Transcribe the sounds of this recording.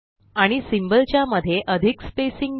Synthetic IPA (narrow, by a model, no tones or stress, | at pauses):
aɽ̃isimbəlt͡ɕjaməd̪ʱːjeʔəd̪ʱikspesiŋɡ